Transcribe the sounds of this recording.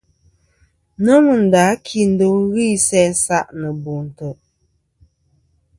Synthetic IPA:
nə˦mɨ˨n̩˨da˨˦kʰi˨n̩˦do˦ŋ˦ɣi˦˨sɛ˦sa˦ʔnə˨bu˨n̩˨tə˨ʔ

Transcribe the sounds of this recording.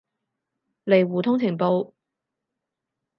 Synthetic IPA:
le˨˩jwuː˨t̪ʰʊ˥ŋt͡sʰɪ˨˩ŋpo˧w

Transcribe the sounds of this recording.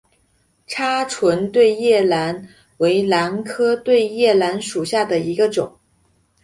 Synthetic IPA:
ʈ͡ʂʰa˥ʈ͡ʂʰwə˧˥nt̪we˥˧ɪjɛ˥˩la˧˥n | we˧˥ɪla˧˥nkʰɤ˥t̪we˥˧ɪjɛ˥˩la˧˥nʂu˨˩ɕja˥˩d̪ə˩i˧˥ɡə˧ʈ͡ʂʊ˨˩˦ŋ

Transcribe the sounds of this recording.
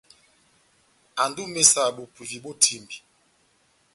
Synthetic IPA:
a˨ndu˦me˦sa˦˨ɓo˨pi˨vi˨ɓo˦tʰi˦˨mbi˨

